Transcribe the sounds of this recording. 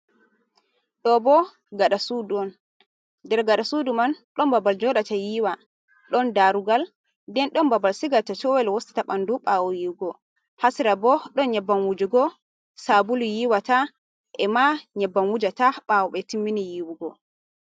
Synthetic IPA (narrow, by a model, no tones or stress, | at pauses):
ɗɔbɔ | ɡaɗasuduɔn | dɛɾɡaɗasudumanɗɔmbabald͡ʒɔɗatajiwa | ɗɔndaɾuɡal | dɛnɗɔmbabalsiɡatat͡ʃɔwɛlwosti̥taɓanduɓawɔjiwɡɔ | hasiɾabɔɗɔnɲɛbːanwud͡ʒuɡɔ | sabulujiwata | ʔɛmaɲɛbːanwud͡ʒataɓawɔɓɛtimːinijiwuɡɔ